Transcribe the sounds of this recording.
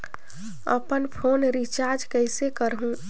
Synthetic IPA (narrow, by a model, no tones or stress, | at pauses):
ə̰pənpʰoːnɾit͡ʃaːɾd͡ʒkəɪsekəɾɦũ